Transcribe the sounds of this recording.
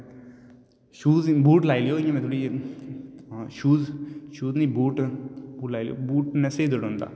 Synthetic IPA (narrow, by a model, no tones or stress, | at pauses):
ʃuːzbuːʈlaːilijoːjõmɛ̃t̪ʰoːɽiː | ʃuːzʃuːznĩbuːʈbuːʈlaːil̰jo̰ːbuːʈneseid̪oɽõːnd̪a̰ː